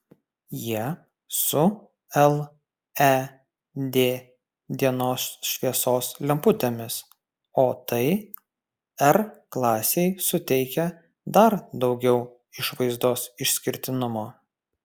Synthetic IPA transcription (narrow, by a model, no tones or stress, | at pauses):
jiɛ | sʊ | ɛlˠ | ɛ | d̪ʲeː | d̪ʲiɛnoːsʃʲʋʲiɛsoːslʲɛmpʊt̪ʲeːmʲɪs | oːt̪ɐɪ | ɛɾklˠɑːsʲɛɪsʊt̪ʲɛɪkʲɛ | d̪ɐɾd̪ɒʊɡʲɛʊ | ɪʃʋɐɪzd̪oːsɪʃsʲkʲɪɾʲt̪ʲɪnʊmoː